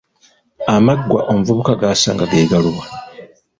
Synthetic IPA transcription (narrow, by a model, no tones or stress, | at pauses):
amaɡwaʔo̞muvuβukaɡaːsa̰ːŋɡaɡe̞ːɡaluɣa